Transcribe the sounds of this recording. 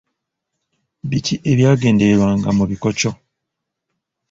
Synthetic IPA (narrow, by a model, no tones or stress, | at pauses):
βitʰiʔeβjaːɡeːndeɾwaːŋɡamuβikot͡ʃo